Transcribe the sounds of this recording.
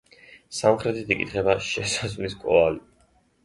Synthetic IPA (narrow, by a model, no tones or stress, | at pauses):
samχɾɛt̪ʰit̪ʰikʼḭt̪ʰχɛbaʃɛsazliskʼɔali